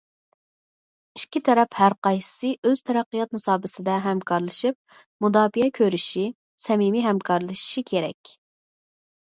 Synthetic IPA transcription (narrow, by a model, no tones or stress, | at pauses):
iʃkʲʰit̪ʰɛɾɛphæɾqɑjsɨ̥sɨʔøz̥t̪ʰɛɾæqːijɑt̪̚musɑːbɪsɪd̪ɛɦɛmkʰɑɾlˠɨʃip̚ | mud̪ɑːbijɛkʲʰøɾyʃi | sɛmimiɦɛmkʰɑɾlˠɨʃi̥ʃikʲʰeɾɛ̰kʲ